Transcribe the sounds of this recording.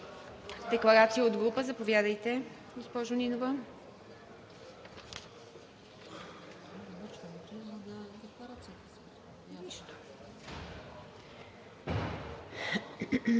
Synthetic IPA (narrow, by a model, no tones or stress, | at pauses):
d̪ɛklˠɐɾat̪sijəod̪ɡɾupəzɐpovjad̪əjt̪ɛ | ɡospɔʒʊninovə | d̪ɐmɔt͡ʃvɐnt͡ʃɛnɐd̪ɛklˠɐɾat̪siət̪ɛs | niʃt̪o̥